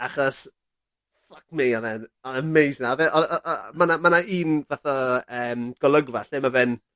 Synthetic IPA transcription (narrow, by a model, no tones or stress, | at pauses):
aχɔs | flak̚mɪɔðɛnɔðəmejsnaɔðɛʔɔmanamanaiːnvaθɔəːmɡ̥ɔlˠəɡvaɬɪmavɛn